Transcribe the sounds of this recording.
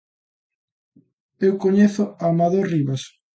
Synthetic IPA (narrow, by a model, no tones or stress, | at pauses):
ewkoɲeθʊamaðoriβas